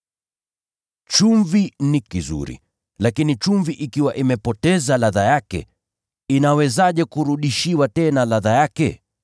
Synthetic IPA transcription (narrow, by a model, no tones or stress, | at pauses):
t͡ʃuɱvinikizṵɾḭ | lakinit͡ʃuɱviʔikiwaʔimɛpɔtɛzalaðajakɛ̰ | inawɛzaʄɛkuɾuɗiʃiwatɛnalaðajakɛ